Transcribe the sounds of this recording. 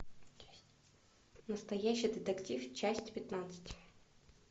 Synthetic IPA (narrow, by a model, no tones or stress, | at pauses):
nəst̪ɐjæɕːɪjd̪ʲɪt̪ɐktʲift͡ɕæsʲtʲpʲɪt̪nat̪sɨ̥tʲ